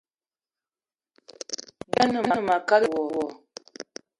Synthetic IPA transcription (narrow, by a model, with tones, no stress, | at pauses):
da˦nə˨m˦a˨˦˨ma˨ka˦lə˨wɔ˨wɔ˨